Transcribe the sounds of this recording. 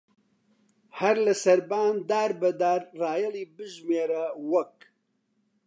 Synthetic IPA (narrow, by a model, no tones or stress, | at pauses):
hɐɾlɐsɐɾbaːnd̪aːɾbɐd̪aːɾraːjɐlˠiːbɨʒmeːɾɐwɐk